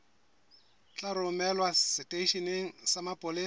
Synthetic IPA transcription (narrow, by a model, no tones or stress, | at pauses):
t͡ɬʼaɾʊmɛlwasɪtʼeiʃineŋ̩samapʼʊlɪ